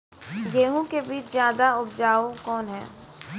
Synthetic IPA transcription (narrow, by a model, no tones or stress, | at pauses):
jeːɦũkebiːt͡ʃzjaːd̪aʊb̚d͡ʒaːokɔːnɦɛː